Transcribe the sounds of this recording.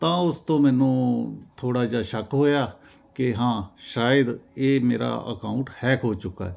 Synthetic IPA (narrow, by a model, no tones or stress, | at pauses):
t̪ãːʊst̪õːmɛːnũːt̪ʰoːɽaːd͡ʒaːʃəkɦoːjaː | keɦãːʃaːɪd̪eːmḛːɾa̰ːʔə̰kaːʊ̃ɳʈhɛːkʰɦoːt͡ʃʊka̰ːɛː